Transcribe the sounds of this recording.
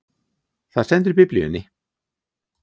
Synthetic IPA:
θaðsɛnt̪̬ʏɾpɪplʏʏnːɪ

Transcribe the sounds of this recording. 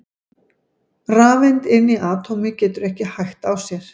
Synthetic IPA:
raːvɛnt̪ɪnːiʔaːt̪ʰɔmɪcɛːt̪ʏɾɛhcɪhajxt̪awsjɛɾ̥

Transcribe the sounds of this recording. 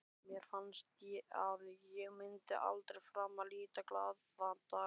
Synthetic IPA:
mjɛɾ̥fanst̪jɛaðjɛɣmɪnt̪ɪ̰ʔa̰lt̪ɾejfɾaːmːaliːt̪aklaːðfant̪a

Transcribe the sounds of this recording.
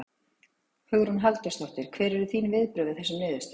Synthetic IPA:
hʏɣɾunɦalt̪ast̪ɔht̪ɪɾ̥kʰvɛːɾɛɾðʏθiːnvɪðpɾʏːðɪθɛsɪmɪːðʏst̪

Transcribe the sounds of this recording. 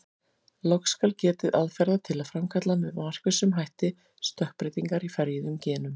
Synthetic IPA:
lowkskalcɛːt̪ɪðʔaðfɛɾðat̪ʰɪlaðfɾamkʰat̪lanvɪðmar̥kvʏsʏmɦajht̪ɪ | st̪œhpɾɪt̪iŋkaɾifɛɾjɪðʏmcɛːnʏm

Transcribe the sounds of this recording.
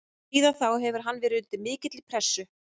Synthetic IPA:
iːðaθawɦɛvʏɾ̥ɦanːvɛːɾɪʏnt̪ɪmɪːcɪt̪lipʰɾɛsːʏ

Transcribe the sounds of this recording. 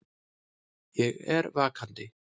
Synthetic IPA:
jɛɣɛɾvaːkʰant̪ɪ

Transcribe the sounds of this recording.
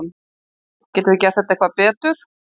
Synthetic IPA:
m | cɛːt̪ʏvɪcɛɾ̥θɛht̪aɛhkvapɛːt̪ʏɾ̥

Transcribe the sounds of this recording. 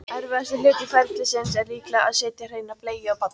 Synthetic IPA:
ɛɾvɪðast̪ɪlɪːt̪ɪfɛlt̪ɪsɪnsɛɾliːklaa̰ðseːt̪jar̥ejnapleːjɪawpat̪nɪ̥

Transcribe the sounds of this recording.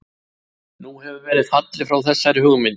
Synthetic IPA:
nuhɛvʏɾvɛːɾɪðfat̪lɪfɾawθɛsːaɾɪhʏɣmɪn

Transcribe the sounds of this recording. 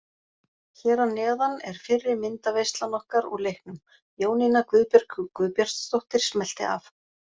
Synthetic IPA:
çɛːɾawnɛːðanɛɾ̥fɪrːɪɾmɪnt̪avejst̪lanɔhkaɾɔlejhknʏm | joːwninakvʏːðpjɛɾkʏkvʏːðpjar̥t̪st̪owht̪ɪɾ̥smɛl̥t̪ɪ̰a̰f

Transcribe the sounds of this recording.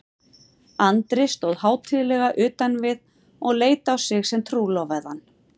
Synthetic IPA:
ant̪ɾɪst̪ɔðhaːwt̪ʰɪðlɛɣaʔʏːt̪anvɪð | ɔɣleːjt̪awsɪɣsɛmt̪ʰɾuːlɔwvaðanː

